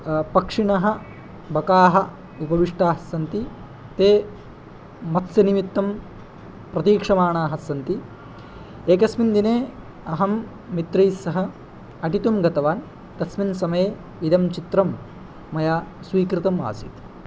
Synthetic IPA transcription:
pɐkʂiɳɐɦɐ̆ | bɐkaːɦɐ | upɐʋiʂʈaːɦɐsɐnt̪i | t̪eː | mɐt̪sjɐnimit̪ːɐm | pɾɐt̪iːkʂɐmaːɳaːɦɐsɐnt̪i | eːkɐsmind̪ineː | ɐɦɐmː | it̪ɾiːsɐɦɐ | ɐʈit̪umɡɐt̪ɐʋaːn | t̪ɐsminsɐmɐjeː | id̪ɐmt͡ʃit̪ɾɐmː | ɐjaː | sʋiːkɾit̪ɐma̰ːsḭt̪

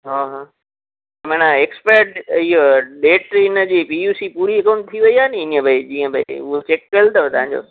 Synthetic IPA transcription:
ɦaɦaː | mãːñaekspeːɾʈiɦoɗeːʈɾeːnəd͡ʑiːpiuːsipuːɾiɐkãʊ̃ɳʈ̚t̪ʰiʋɐiaːniɪniə̃bʱaid͡ʑĩːə̃bʱaiʊɦet͡ɕekːəlt̪ɐt̪ɐɦãɲd͡ʑo̰ː

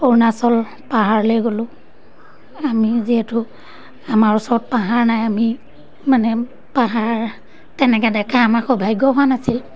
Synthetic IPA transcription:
poɹnasɔl | paɦaɹlejɡolʊ̃ | amiziɦɛtʊ | amaɹusɔɹɔt̚paɦaɹnajami | manɛ | paɦaɹ | tɛnɛkɛdɛkaamakɔbʱajɡɔɦʊanasil

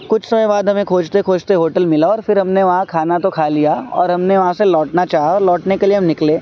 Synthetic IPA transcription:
kʊt͡ʃʰsɐməjbaːd̪ɦɐmẽkʰoːd͡ʒt̪ekʰoːd͡ʒt̪eɦoːʈəlmɪlaɔːɾfɪɾɦɐmneʋɐɦãkʰaːnat̪okʰaːlijaɔ̰ːɾɦɐmneʋɐɦãselɔːʈnat͡ʃaːɦaɔːɾlɔːʈnekelieɦɐmnɪkleː

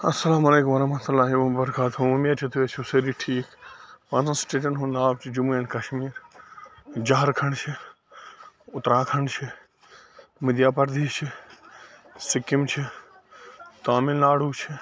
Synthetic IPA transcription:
ɐsːɐlaːmɐleːkʊmɐɾɐɦmɐt̪ulːaːɦiõbɐɾɐkaːt̪ɦoumiɐɾt͡ʃʰit̪ʰuesʰuseɾiʈʰiːkpãːzãːsʈeːʈɐɳʈɦũːnd̪aːb̚t͡ʃʰid͡ʒʊmuẽɳɖkɐʃmiːɾ | d͡ʒaɦɐɾkʰɐɳt͡ʃʰi | ʊt̪ɾãːkʰɐɳt͡ʃʰi | mɪd̪jaːpɐɾd̪iːt͡ʃʰi | sɪkɪmt͡ʃʰi | t̪aːmɪlnaːɽ̤uːt͡ʃʰi

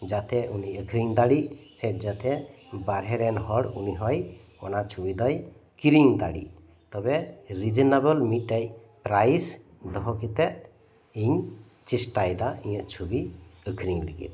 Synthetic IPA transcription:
d͡ʒat̪ʰɛuniəkʰɾiŋd̪aɽisɛt̪̚d͡ʒat̪ʰɛbaɾɦɛɾɛnɦɔɽuniɦɔj | ɔnat͡ʃʰubid̪ɔj | kiɾiŋd̪a̰ɽḭ | t̪ɔbɛɾid͡ʒɔnabəlmiʈaj | pɾajs | d̪ɔɦɔkit̪ɛʔ | iɲ | t͡ʃisʈajd̪aĩjəʔt͡ʃʰubiəkʰɾiŋlḭɡḭt̪̚

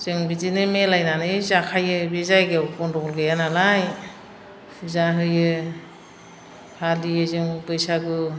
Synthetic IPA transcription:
zɯŋbizinɯmelajnanɯjzakʰajɯbezajɡewpɔndɔɡɔlɡɯjanalaj | pʰuzaɦɯjɯ | halijɯzɯŋbɯjsaɡɯ

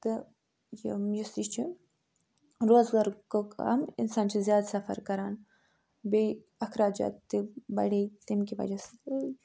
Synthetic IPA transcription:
t̪ɨ | jimjisit͡ʃʰi | ɾoːzɡaɾkokɐ̰mḭnsaːnt͡ʃʰizjaːd̪sɐfɐ̰ɾkɐɾaːn | be | ɐkʰɾaːd͡ʒa̰ːt̪ːibɐ̰ɽet̪imkiʋɐ̰d͡ʒas

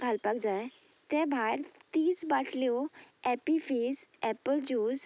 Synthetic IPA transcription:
ɡʱalpakd͡zaj | t̪ɛ̃bʱajɾt̪iːsbaʈʰljɔɛpifesɛpəld͡ʑuːz

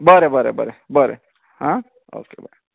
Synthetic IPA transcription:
bʌɾebʌɾḛbʌ̰ɾebʌɾe | hã | o̰ːkebəɾe

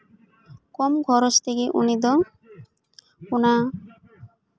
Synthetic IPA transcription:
kɔmɡʱɔɾost̪ʰekeʔṵnid̪̬ɔ | kuna

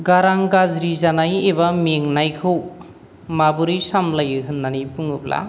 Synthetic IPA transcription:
ɡaɾaŋɡazɾizanajebameŋnajkʰɯw | mabuɾisamlajɯɦɯnːanipuŋɯp̚la̰

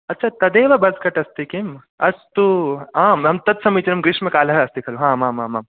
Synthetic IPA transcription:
ɐtːt͡ʃʰat̪ɐd̪eːʋɐbɐzkɐʈɐst̪ikim | ɐst̪uãːmɦɐmt̪ɐt̪sɐmiːt͡ʃnɐmɡɾɪʂmɐkaːlɐɦɐst̪ikʰɐluɦãːmãːmãːmãːm

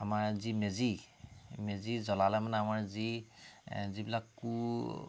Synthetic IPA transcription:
amaɹzimezi | mezizɔlalajmanɛamaɹzi | zibilakːu

